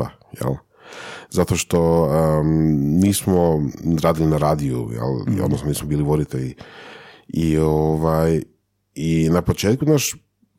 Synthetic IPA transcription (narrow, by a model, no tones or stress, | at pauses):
a̰ | jḛl | zat̪o̞ʃt̪o̞ə | niːsmoɾaːd̪ilinaɾaːd̪iṵjḛl̰od̪nosnoniːsmobiːliʋo̞d̪it̪eʎi | ioʋaj | inapo̞t͡ʃeːt̪̚kunaʃ